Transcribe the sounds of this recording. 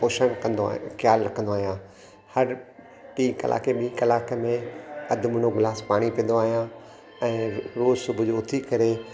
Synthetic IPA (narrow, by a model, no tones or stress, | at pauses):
oːʃənkɐ̃nd̪o̰kjaːlɾɐkʰə̃nd̪oaːɦijãː | hɐɾ | ʈĩːkɐ̰lʔa̰ːkeɓĩĩkɐlaːkmẽɐd̪ʱʊmʊñoɡɪlaːspaːɽ̃ipĩə̃nd̪oaːɦijã | ɛ̃ːɾoːzsʊbʱʊd͡ʑoʊt̪ʰikɐɾe